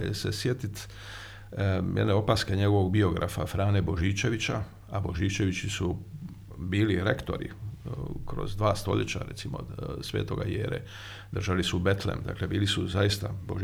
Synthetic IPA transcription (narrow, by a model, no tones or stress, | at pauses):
esesjet̪it̪ | mjʔeneo̞paskeɲe̞ɡo̞ʋoɡbio̞ɡɾʔa̰fafɾaːnebo̞ʒiːt͡ʃe̞ʋit͡ɕa | abo̞ʒiːt͡ʃe̞ʋit͡ɕisu | biːliɾekt̪o̞ɾḭ | kɾo̞̰zd̪ʋaːst̪o̞̰ʎet͡ɕa̰ɾet̪simo̞̰sʋḛːt̪o̞ɡajḛːɾḛ | d̪r̩ʒalisube̞t̪lḛmd̪a̰klebiːlisuzajist̪abo